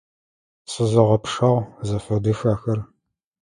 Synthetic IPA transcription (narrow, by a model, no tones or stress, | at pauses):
sʼɨzɐʁɐpʰʂɐʁzɐfɐdɨxaːxɐr